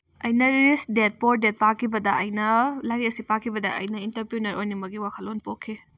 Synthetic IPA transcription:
ɐjnɐɾɾisdet̚poɾdet̚pakʰːibɐdɐʔɐjnɐlaɾiɐsipakʰːibɐdɐ̰ʔɐ̰jnɐintɐɾpiunɐɾʔojnimɐɡiwakʰɐlonpokʰːi

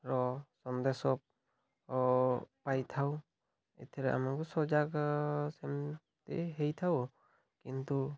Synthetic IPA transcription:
ɾɔsɔnd̪esɔp̚ | pajt̪ʰaw | ḛt̪ʰɛɾɛa̰maɡɔsɔd͡ʒaksem | tḛɦejt̪ʰaw | kint̪u

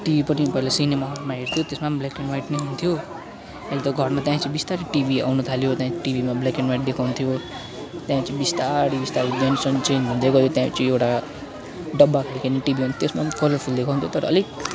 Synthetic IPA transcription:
ʈibʱipʌnĩpʌilasinemaɦoɾmaɦeɾt̪ʰijot̪esmablakenwajʈneɦunt̪ʰjo | alit̪ʌɡʱʌrmat̪jãt͡sʌ̃ĩbist̪aɾiʈibia̰wnut̪ʰalijot̪jãʈibimablakenwajʈ̚d̪ekʰawnt̪ʰijo | t̪jãt͡sʌ̃ĩbist̪aɾibist̪aɾid̪ʌnsʌnt͡ʃenɦund̪eɡʌɦjot̪jãt͡sʌ̃ewʈa | ɖʌbːakʰaɽikaniʈibiɦunt̪ʰt̪esmakʌlʌrpʰuld̪ekʰawɦnt̪ʰjot̪ʌɾʌʌlik

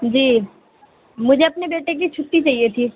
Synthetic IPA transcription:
d͡ʒiː | mʊd͡ʒʱeɐpnebeːʈekit͡ʃʰʊʈːit͡ʃaːɦiet̪ʰiː

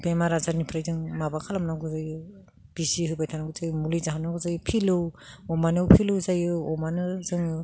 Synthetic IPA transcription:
pemaɾazaɾnipʰɾajzɯŋmabakʰalamnaɡɯzajɯ | b̥isiɦɯbajtʰanaɡɯzajɯmulizaɦanaɡɯzajɯpʰilɯwɔmanɯwpʰilɯwzajɯɔmanɯzɯŋɯ

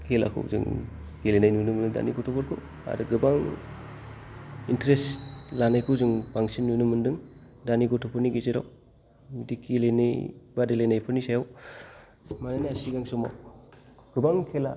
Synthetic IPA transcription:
kʰela̰kʰɯ̰wzɯ̰ŋ | kelenajnujnɯmɯndɯda̰niɡɔtʰɔpʰɔɾkʰɯ̰ | a̰ɾɯɡɯbaŋ | intɾeslanajkʰɯwzuŋbaŋsinːujnɯmɯndɯŋ | daniɡɔtʰɔpʰɔɾniɡezeɾa̰w | midikilenijbadelajnajpʰɯɾnisajaw | manajniasiɡaŋsɔma̰w | ɡ̥ɯbaŋkʰela̰

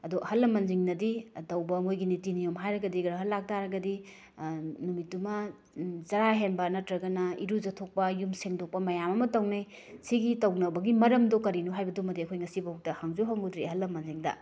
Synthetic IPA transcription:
ɐduhɐlːɐmɐnziŋnɐditɐwbɐmojɡinitinijomɦajɾɐɡɐdiɡɐɾɐɦɐlːak̚taɾɐɡɐdi | numitːumɐ | zɐɾaɦenbɐnɐtɾɐɡɐnɐḭɾuzɐtʰok̚pɐjumseŋdok̚pɐmɐjamɐmɐtɐwnej | siɡitɐwnɐbɐɡimɐɾɐmdokɐɾinuɦajbɐdumɐdiɐkʰojŋɐsibɐhok̚tɐhaŋzuɦɐŋudɾiɦɐlːɐmɐnziŋdɐ̰

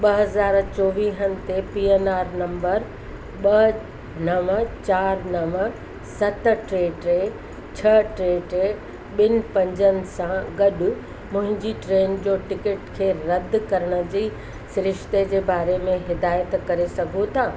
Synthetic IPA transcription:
ɓɐɦɐzaːɾt͡ɕoːʋiːɦənɪ̆t̪epiːenaːɾnɐ̃mbəɾ | ɓɐ | nɐʋət͡ɕaːɾnɐʋə | sɐt̪̆ʈɾeːʈɾeː | t͡ɕʰɐʈɾeːʈɾe | ɓɪnɪ̆pɐ̃ɲd͡ʑənɪ̆sãɡɐɗʊ̆ | mʊ̃ɦɪ̃ɲd͡ʑiʈɾeːnd͡ʑoːʈɪkɪʈkʰeːɾɐd̪̆ʱkɐɾəɽ̃ə̆d͡ʑiː | sɾɪʃt̪ed͡ʑeːbaːɾemẽɦɪd̪aːjət̪kɐɾesɐɡʱot̪ʰaː

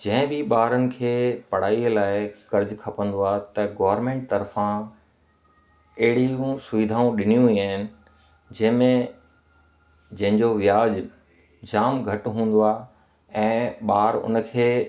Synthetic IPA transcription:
d͡ʑɐ̃ɦɪ̃bɪɓaːɾənɪ̆kʰeːpɐɽ̤aːilaːɪkɐɾd͡ʑkʰɐpə̃nd̪oaːt̪ɐɡɔːʋɾmẽːɳʈ̚t̪ɐɾfã | ɐɦɪɽiũsʊʋɪd̪ʱaːũɗɪnijũɦiaːɦɪnɪ̆ | d͡ʑɐ̃ɦɪ̃mẽ | d͡ʑɐ̃ɦɪ̃ɲd͡ʑoʋijaːd͡ʑ | d͡ʑaːmɡʱɐʈɦũːn̆d̪oaː | ɛ̃ːɓaːɾʊ̰nəkʰeː

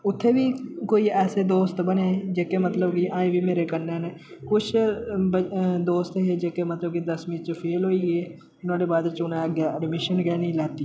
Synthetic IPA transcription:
ʊt̪ʰːeːbiːkoːiːɛːseːd̪oːst̪bəneːd͡ʒeːkemət̪ləbkiːʔãːĩːbʱiːmeːɾekənːeːneː | kʊt͡ʃʰbəd̪oːst̪ɦeːd͡ʒeːkemət̪ləb̚kid̪əsmiːt͡ʃəpʰeːlɦoːiːɡeː | ʊnãːɖeːbaːd̪t͡ʃʊnaɡeːəɖmɪʃənɡɛːnĩːlɛːt̪iː

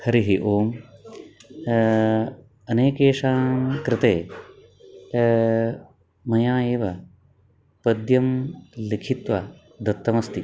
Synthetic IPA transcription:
hɐɾiɦiʔoːm | ɐneːkeːʂaːnmkɾɪt̪eː | mɐjaːeːʋɐ | pɐd̪jɐmlikʰit̪ʋa | d̪ʱɐt̪ːɐmɐst̪i

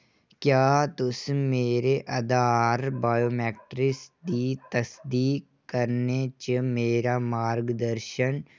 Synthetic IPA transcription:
kjaːt̪ʊsmeːɾeʔɐd̪aːɾbaːjoːmɛːʈɾɪsd̪it̪ɐsd̪iːk | kːəɾnet͡ʃemeːɾamaːɾɡd̪əɾʃən

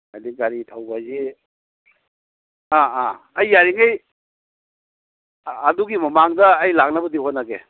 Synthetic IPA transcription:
adiɡaɾitʰawbazi | aa | ɐjːaɾiŋaj | duɡimɐmaŋdɐːjlak̚nɐbɐdiɦotnːaɡḛ

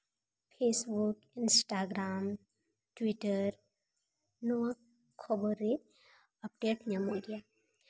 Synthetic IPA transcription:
pʰeːsbuk | ɪnsʈaːɡɾaːm | ʈwiʈəɾ | nɔa | kʰobəɾe | ɐp̚ɖeːʈmamoːɖija

